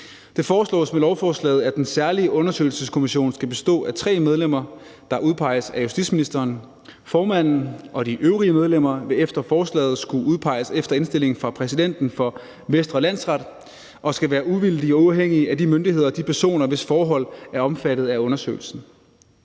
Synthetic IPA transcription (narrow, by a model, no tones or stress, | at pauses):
d̥e̝fɒːslɔ̰ːsmelɒʊfɒːslɛ̰ːð̩ˠæd̥ensæɐliəʔɔ̽nɐsø̰ɪl̩səskʰo̝miɕo̝̰ːnsɡ̥æb̥e̝sd̥ɔ̰̽ːæt͡sʰʁɛ̰ːmeð̞ˠlem̰ɐ | d̥ɑ̈ʔuðˠpʰɑ̈ɪ̰əsæjusd̥id̥sminisd̥ɐːn | fɒːmæn̰n̩ʔɒ̽ɾ̥iʔøʊʁiəmeð̞ˠlem̰ɐʋe̝efd̥ɐfɒːslɛ̰ːð̩ˠsɡ̥uʔuð̞ˠpʰɑ̈ɪ̰əsefd̥ɐe̝nsd̥e̝le̝ŋn̩fʁɑ̈pʰʁɛsid̥en̰d̥n̩fɒ̽ | ʋesd̥ʁɐlæn̰sʁɑ̈d̥ | ʔɒ̽sɡ̥æʋæːɐʔuʋild̥iɒɑʊɦeŋ̰iəædimønd̥iɦe̝ð̞ˠɐd̥ipʰæɐso̝̰ːnɐʋe̝sfɒːɦɒ̽l̰æɐɒ̽mfæɾ̥ð̞̩ˠæɔ̽nɐsø̰ɪl̩sn̩